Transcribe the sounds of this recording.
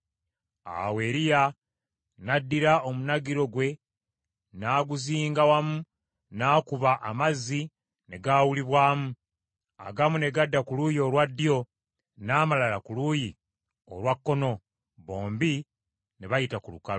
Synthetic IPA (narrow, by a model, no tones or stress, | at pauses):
a̰we̞ɾija | nadːiɾaomunaɡiɾo̞ɡwe̞ | naːɡuziːŋɡawamu | naːkuβaʔamazːi | ne̞ɡaːwuliβwaːmu | a̰ɡamune̞ɡadːakulujio̞lwadːjo̞ | naːmalalakuluji | o̰lwakːo̞no̞ | βo̞ːmbi | ne̞βajitakulukalo